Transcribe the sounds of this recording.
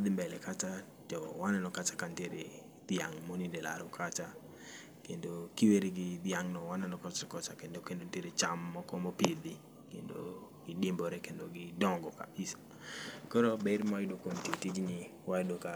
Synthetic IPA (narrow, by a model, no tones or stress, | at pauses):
d̪ɪmbɛlɛkata | tɔwanɛnɔkat͡ʃḁkanteɾe | d̪jaŋmonidɛla̰ɾʊkʰat͡ʃa | kendokiweɾeɡɪd̪jaŋnɔwanɛnɔkɔt͡ʃkɔt͡ʃakendokendonteɾet͡ʃamːɔkɔmɔpid̪ɪ | kḛndo̰ | ɡ̥ɪdimbɔɾɛkendoɡɪdɔŋɡɔka̰pisḁ | kɔɾobɛɾmajɪdokomtetid͡ʒnɪ | wadoka